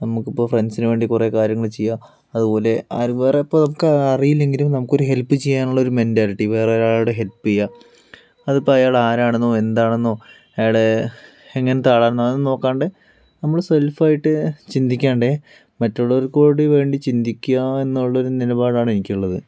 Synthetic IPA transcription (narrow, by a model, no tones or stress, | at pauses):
nɐmukːipːo̞ːfrensinuʋe̞ːɳɖikurekaːɾjɐŋːɐɭt͡ɕejːa | ɐðubo̞ːle̞aːɾʋe̞ːreipːonɐmukːɨɐrijilːe̞ŋɡilumnɐmukːo̞ɾuɦe̞lpːɨt͡ɕejːaːnuɭːɐo̞ɾume̞ndaːɾiʈːiʋe̞ːrejaːɭɽeɦe̞lpːɨejːa | ɐðipːoɐjaːɭaːɾaːɳunːoe̞nd̪aːɳunːoː | ɐjaːɭe | eŋːɐnet̪aːɭaːnːaːnːɨnoːkːaːɳɖe | nɐmːɐɭse̞lfaːjiʈːɨt͡ɕind̪ikʲːaːɳɖe | mɐtːoɭːɐoɾuko̞ːɽiʋe̞ːɳɖit͡ɕind̪ikʲːuɐe̞nːuɭːɐo̞ɾunilɐbaːɽaːɳenikʲːiɭːɐðɨ